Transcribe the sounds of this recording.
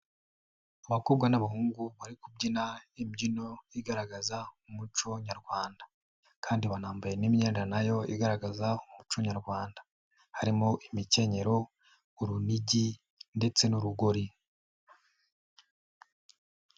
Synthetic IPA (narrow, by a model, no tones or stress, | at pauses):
aβakubɡwanaβaɦuːŋɡuβaɾikub̚ɟinaimɟino̞iɡaɾaɡazaumut͡ʃo̞ɲaɾɡwaːnda | kʰaːndiβanaːmbaje̞nimɲe̞ːnd͡ʒanajo̞iɡaɾaɡazaumut͡ʃo̞ɲaɾɡwaːndḁ | haɾimoʔimice̞ɲe̞ɾo̞ | uɾuniɟi | nde̞t͡se̞nuɾuɡoɾi